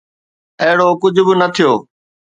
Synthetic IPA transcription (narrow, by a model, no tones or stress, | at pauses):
əɦɪɽoːkʊd͡ʑʱʊbɪnət̪ʰijoː